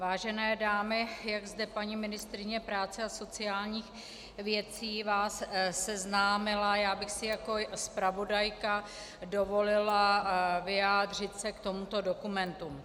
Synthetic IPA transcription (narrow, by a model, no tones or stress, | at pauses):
vaːʒɛnɛːdaːmɪjaɡzdɛpaɲimɪnɪst̪ɾɪɲɛpɾaːt͡sɛaso̞t͡sɪaːlɲiːx | vjɛt͡siːvaːsːɛznaːmɪlajaːbɪxsɪjako̞spɾavo̞dajka | do̞vo̞lɪlavɪjaːd̪r̝ɪt̪sɛkt̪o̞mut̪o̞do̞kumɛnt̪um